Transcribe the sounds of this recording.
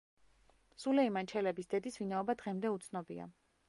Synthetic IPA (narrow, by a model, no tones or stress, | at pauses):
sulɛimant͡ʃʰɛlɛbisd̪̥ɛd̪isvinaɔbad̪ʁɛmd̪ɛut̪sʰnɔbia̰